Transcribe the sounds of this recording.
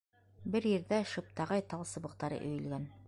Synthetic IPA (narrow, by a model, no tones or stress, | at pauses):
bɘɾjɘ̆ɾðæʃɤ̆p̚t̪ɑʁɑjt̪ɑlˠsɤ̆βɤ̆q̚t̪ɑɾɤ̰ʔɵ̆jɵ̆lɡæn